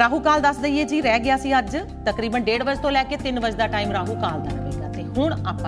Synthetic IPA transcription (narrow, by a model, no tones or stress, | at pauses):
ɾaːɦuːkaːld̪əsd̪əieːd͡ʒiːɾɛːɡɪjaːsĩːəd͡ʒ | t̪əkɾiːbənɖeːɽʋəd͡ʒt̪õːlɛːkeːt̪ɪnʋəd͡ʒd̪aːʈaːiːmɾaːɦuːkaːld̪ənʋḛːɡaːt̪eːɦʊɳ̃aːpː